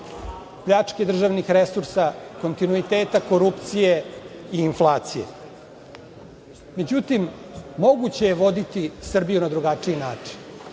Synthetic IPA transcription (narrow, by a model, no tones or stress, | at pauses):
pʎʲat͡ʂke̞d̪r̩ʒaʋnixɾesuɾsako̞nt̪inuit̪eːt̪ako̞ɾupt̪sije̞iːnflˠaːt̪sijḛ | me̞d͡ʑut̪imː | o̞ɡut͡ɕe̞jeʋo̞d̪it̪isr̩bijunad̪ɾuɡat͡ʂiinaːt͡ʂi̥n